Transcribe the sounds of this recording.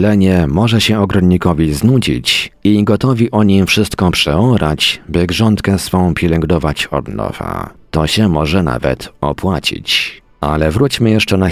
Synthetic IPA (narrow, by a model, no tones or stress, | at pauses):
lɛɲɛmɔʐɛɕɛɔɡɾɔnːikɔvʲiznud͡ʑḭt͡ɕiɡɔt̪ɔvʲiʔɔɲimfʂɘst̪kɔpʂɛɔɾat͡ɕbɘɡʐɔnt̪kɛsfɔ̃w̃pʲjɛlɛŋɡd̪ɔvat͡ɕɔ̰d̪nɔ̰v̥a̰t̪ɔɕɛmɔʐɛna̰vɛ̰t̪ɔ̰pwat͡ɕḭt͡ɕ | alɛvɾut͡ɕmɘjɛʂt͡ʂɛna